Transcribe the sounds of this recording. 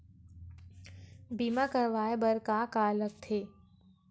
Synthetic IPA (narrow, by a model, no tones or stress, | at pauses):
biːmakəɾʋaːebɐɾkakaːlək̚t̪ʰeː